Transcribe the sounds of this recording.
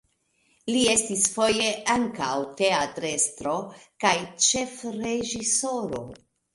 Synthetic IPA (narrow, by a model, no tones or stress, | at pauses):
lie̞stisfo̞je̞aŋkawte̞atɾe̞stɾo̞kajt͡ʃe̞fɾe̞ʒiso̞ɾo̞̰